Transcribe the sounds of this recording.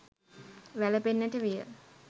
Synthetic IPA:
ʋæləpenːəʈəʋijə̰

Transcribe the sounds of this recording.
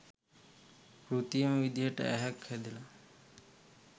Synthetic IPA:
kɾut̪ijəməʋid̪ijəʈə̰ʔæɦɛkhæd̪ila

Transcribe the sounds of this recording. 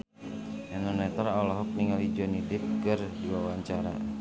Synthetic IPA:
ɛnɔnɛt̪aɾɔlɔɦɔk̚niŋalid͡ʒɔnidɪk̚ɡərdiwawaɲt͡ʃaɾa̰

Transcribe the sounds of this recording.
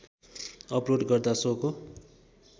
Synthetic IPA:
ʌproɖɡʌrd̪asoko

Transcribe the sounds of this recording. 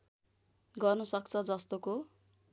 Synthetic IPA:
ɡʌrnʌsʌkt͡sʰʌd͡zʌst̪oko

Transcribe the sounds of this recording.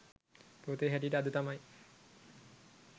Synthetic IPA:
poːt̪eɦɛʈiʈəad̪ut̪amaj

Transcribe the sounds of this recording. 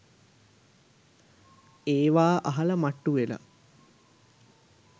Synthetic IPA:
eːʋaːʔaɦɐlɐmaʈːuʋelɐ̰

